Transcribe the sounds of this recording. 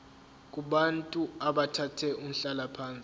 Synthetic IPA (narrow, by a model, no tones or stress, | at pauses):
k̬ʼuɓantʼuaɓatʰatʰɛʔum̩ɬalapʰaːnt͡sʼi